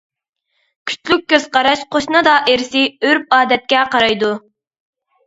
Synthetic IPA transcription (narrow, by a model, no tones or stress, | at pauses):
kʲʰy̥t͡ʃlyk̚ʲːøz̥qɑɾɑʃqʰoʃnɨd̪ɑʔeɾsɪøɾp̚ɑːd̪ɛt̪̚kʲɛqʰɑɾɑjd̪u